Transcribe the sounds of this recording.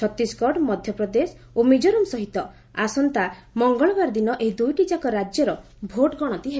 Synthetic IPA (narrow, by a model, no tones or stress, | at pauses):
t͡ʃʰɔt̪ːiskɔʈmɔd̪ʱjɔpɾɔd̪es | omid͡ʒɔɾumsɔɦit̪ɔ | asɔnt̪a | mɔŋɡɔɭɔɡaɾd̪inɔʔeɦid̪ujʈid͡ʒakɔɾad͡ʒjɔɾɔ | bʱoʈɡɔɽ̃ɔt̪iɦe